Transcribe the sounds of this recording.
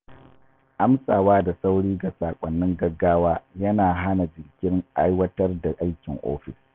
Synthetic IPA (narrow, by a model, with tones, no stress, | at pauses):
ʔa˦msʼaː˨waː˦da˨sa˦wɽiː˦ɡa˨saː˨kʷʼɐ˨nːɪ˦ŋɡɐ˦ɡːaː˦waː˦jɐ˦naː˨ɦa˦na˨d͡ʒɪ˨ŋkʲɪ˦ŋʔa˦jwɐ˦tɐ˦rda˨ʔa˦jkʲɪ˨ŋʔo̰ː˦ɸɪ˨s